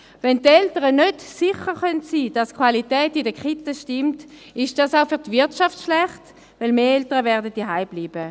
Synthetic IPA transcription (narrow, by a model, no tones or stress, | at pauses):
vɛntɛltəʁənødsɪχəʁχœntsiːd̥askχwalitɛːtidəkχitəʃtɪmt | ɪʃd̥asaʊfyɐtvɪɐtʃaftʃlɛχt | vɪlmeːɛltəʁəvɛɐdət̚diɦaɪb̥liːb̥ə